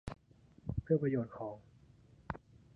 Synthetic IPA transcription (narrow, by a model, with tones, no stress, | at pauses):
pʰɯ˥˩ɐpɾa˧joː˨˩t̪̚kʰɔː˩˦ŋ